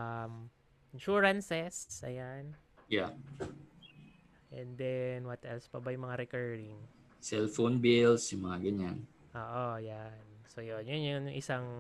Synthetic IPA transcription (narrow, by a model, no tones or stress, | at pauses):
ʔam | ʔɪnʃuɹɐnsɛst̪sʔɐ̰janja | ʔɛnd̪ɛnwɐt̪ɛlspɐbajʊŋmɐŋaɾɛkɛɹɾɪŋ | sɛlfonbilsjʊmɐŋaɡɐɲan | ʔoːʔojansojonjʊnjʊnŋʔɪsaŋ